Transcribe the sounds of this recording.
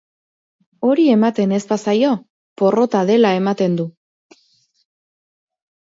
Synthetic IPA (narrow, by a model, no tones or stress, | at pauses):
o̞ɾie̞mat̪e̞ne̞spasajo̞ | po̞ro̞t̪aðe̞lae̞mat̪e̞nd̪u